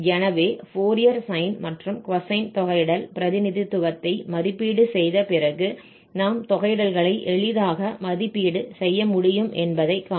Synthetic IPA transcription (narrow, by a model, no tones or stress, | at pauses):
d͡ʒɛnɐʋeːfoːɾɪjɐɾsɐɪnmɐʈrɯmkʋɐsɐɪnt̪ɔɣɐɪɽɐlpɪɾɐðɪnɪðɪt̪ːʊɣɐt̪ːɐɪmɐðɪpːiːɽɯsɛjðɐpɪrɐɣɯ | naːmt̪ɔɣɐɪɽɐlɣɐɭɐɪʔɛɭɪðaːɣɐmɐðɪpːiːɽɯsɛjːɐmʊɽɪjɯmʔɛnbɐðɐɪkːaː